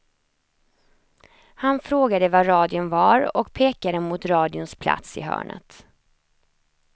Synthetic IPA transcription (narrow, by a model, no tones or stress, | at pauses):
hanfɾoːɡad̪əvaɾɑːd̪ɪʊnvaɾɔkpʰeːkad̪əmʊt̪ɾɑːd̪ɪʊnspʰla̰t̪sɪ̰ɦœ̰ːɳə̰t̪